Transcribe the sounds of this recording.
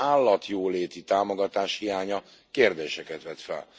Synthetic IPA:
aːlːɒt̪joːleːt̪it̪aːmoɡɒt̪aːʃhijaːɲɒ | keːrd̪eːʃɛkɛt̪ʋɛt̪fɛ̰l

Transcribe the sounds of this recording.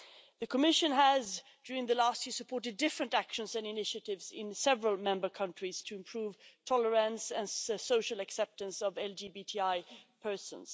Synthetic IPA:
ðɨkʰəmɪʃɨ̃nəzd̥ʊɹɪ̃ŋðəlæstjɪəɹsəpʰɔɹɾɨdɪfɹɨ̃ntækʃə̃nzɨ̃nɨnɪʃɨɾɪvzɪ̰̃nsɛvɹəlˠmɛ̃mbə˞kʰʌ̃nt͡ʃɹ̥iz̥tʰɨɨ̃mpʰɹ̥uv̥tʰɔlə˞ə̃nsɨ̃nsoʊʃəl̩ˠɨksɛp̚tɨ̃nsʌvɛlˠd͡ʒibitʰiaɪpʰɜ˞sə̰̃nz̥

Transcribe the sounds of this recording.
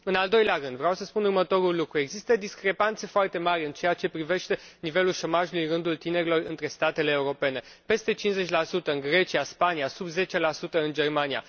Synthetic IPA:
ɨnald̪o̞jleaɾɨnd̪vɾeawsəspunurmət̪o̞ɾulːukɾue̞ɡzist̪əd̪iskɾe̞pant̪se̞foart̪e̞maɾʲɨnt͡ʃe̞at͡ʃe̞pɾive̞ʃt̪e̞nive̞lulʃo̞maʒulujrɨnd̪ult̪ine̞ɾʲilo̞rɨnt̪ɾe̞st̪at̪e̞le̞ːuɾo̞pe̞ne̞ | pe̞st̪e̞t͡ʃinze̞t͡ʃʲlasut̪əɨnɡɾe̞t͡ʃiaspaniasubze̞t͡ʃe̞lasut̪əɨnd͡ʒe̞rmania̰

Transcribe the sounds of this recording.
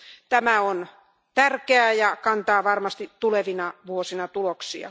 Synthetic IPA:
t̪æmæon | t̪ærkeæjɑkɑnt̪ɑːʋɑrmɑst̪it̪t̪uleʋinɑʋuosinɑt̪uloksiɑ̰

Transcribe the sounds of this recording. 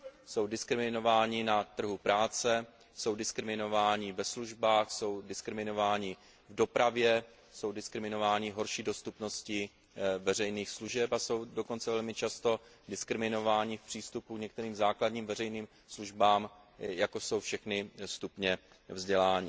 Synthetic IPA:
so̞wdɪskɾɪmɪno̞vaːɲɪnat̪r̩ɦupɾaːt͡sɛ | so̞wdɪskɾɪmɪno̞vaːɲɪvɛsluʒbaːxso̞wdɪskɾɪmɪno̞vaːɲɪ | vdo̞pɾavjɛ | so̞wdɪskɾɪmɪno̞vaːɲɪɦo̞ɾʃiːdo̞st̪upno̞scɪ | vɛrɛjniːxsluʒɛpaso̞wdo̞ko̞nt͡sɛvɛlmɪt͡ʃast̪o̞ | dɪskɾɪmɪno̞vaːɲɪfpr̝̥iːst̪upukɲɛk̚t̪ɛɾiːmzaːkladɲiːmvɛrɛjniːm | sluʒbaːm | jako̞so̞wfʃɛxnɪst̪upɲɛ | vzɟɛlaːɲɪ

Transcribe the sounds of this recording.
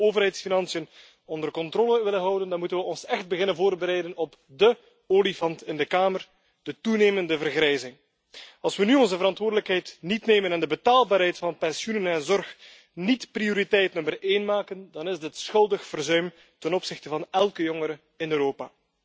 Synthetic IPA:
oːvərɦɛjtsfinɑnsijən | ɔndərkɔntroːləʋɪlənɦɑwdəndɑnmutənʋəɔnsɛxt̚bəɣɪnənvoːrtəbəɾɛjdənɔp | də | oːlifɑntɪndəkaːmər | d̥ətuneːməndəvərɣrɛjzɪŋ | ɑlˠsʋənyɔnzəvəɾɑntʋʊːrdələkɦɛjtnitneːmənɛndəbətaːlˠbaːɾɦɛjtfɑnpɛnsjunənɛnzɔrx | nitprioɾitɛjtnəməreːnmaːkəndɑnɪzdɪtsxɵlˠdəxfərzœɥm | tɛnɔpsɪxtəvɑnɛlˠkəjɔŋəɾə | ɪnøːɾoːpaː

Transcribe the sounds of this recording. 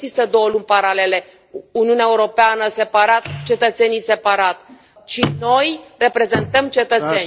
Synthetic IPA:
zist̪əd̪o̞wəlunʲpaɾale̞le̞ | uniuneaeuɾo̞peanəse̞paɾat̪̚t͡ʃe̞t̪ət̪se̞nijse̞paɾat̪ | t͡ʃino̞jre̞pɾe̞ze̞nt̪əmt͡ʃe̞t̪ət̪se̞nʲ

